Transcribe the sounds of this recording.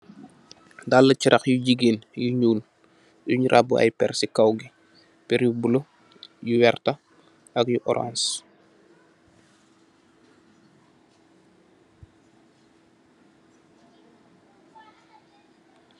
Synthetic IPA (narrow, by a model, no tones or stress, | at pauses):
dalːət͡ʃiɾʔaxjuɟiɡinjuɲuːl | juɲɾʔa̰buʔa̰jpɛ̰rsikawɡi | pɛɾjubulo | juwɛrta | ɐkjuʔɔɾã̰ns